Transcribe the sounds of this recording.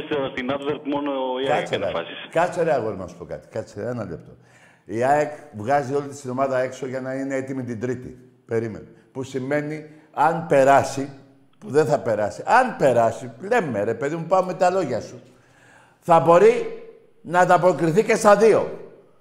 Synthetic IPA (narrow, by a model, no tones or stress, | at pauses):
sst̪inɐt̪veɾkmonoikɐkt͡soɾeɐ̰ɐsiskɐt͡so̞ɾeɐɣoðenɐsu̥po̞kɐ̰t̪i̥kɐt͡seenɐlep̚t̪o̞̰ | iɐekvɣɐzio̞lit̪i̥st̪ino̞mɐðɐe̞kso̞ʝɐnɐine̞et̪imit̪ind̪ɾit̪ḭ | pe̞ɾime̞̰no | pusime̞ni | ɐnpe̞ɾɐsi | puðenθɐpe̞ɾɐsiʔɐnpe̞ɾɐsiple̞mːeɾe̞pe̞ðimupɐumːet̪ɐlo̞ʝɐsu | θɐbo̞ɾi | nɐt̪ɐpokɾiθice̞st̪ɐðio̞̰